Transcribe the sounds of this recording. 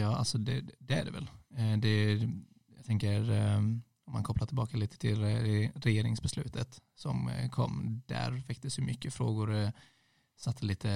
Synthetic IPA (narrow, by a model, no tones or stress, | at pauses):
jɑːa̰lsɔd̪ɛd̪ɛæɖɛvɛ̰ld̪ɛ | jaɡt̪ʰɛŋkəɾ | ɔmːankʰɔplatʈʰɪlbɑːkaliːt̪ə̥t̪ʰɪlɾɛjeːɾɪŋsbɛslʉ̟ːt̪ət̪sɔmkʰɔ̰mːd̪̥æ̰ɾfɛk̚t̪əsjɵmʏkːəfɾoːɡʊɾ | sat̪ʰːəliːt̪ʰə